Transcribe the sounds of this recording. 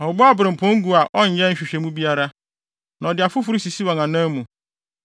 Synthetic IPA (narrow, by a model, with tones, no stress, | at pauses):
ɔ˨bʊ˦a˦˨bɾɪ̃˨m̩˨pʰɔ̃˦ŋ̩˦ɡu˦a˨ʔɔ˦ɲ̩˨˦jɛ˦n̩˦ɕᶣɪ˨ɕᶣe˨mũ˦bi˦a˦ɾa˦ | nã˨ɔ˨dɪ˨a˨fʊ˦fʊ˦ɾi˦si˨si˦wa˨ŋã˨nã˦mũ˨